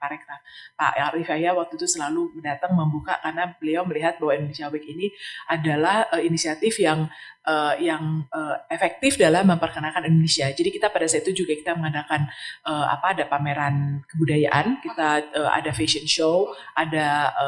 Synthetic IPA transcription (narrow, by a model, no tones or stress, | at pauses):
paɾɛk̚t̪apa̰ʔɾifajawak̚t̪ut̪usəlaluməndat̪aŋməmbuka̰karnabəliawməliɦat̪̚bahwaindonesiawɛkiniʔadalahəinisiat̪ɪfjaŋ | ʔəjaŋəːefɛk̚t̪ɪfdalahməmpərkənakanindonesiad͡ʒadikit̪apadasait̪ud͡ʒuɡakit̪aməŋadakanəa̰paːdapameɾankəbudajaʔankit̪aəa̰dafesənʃowʔada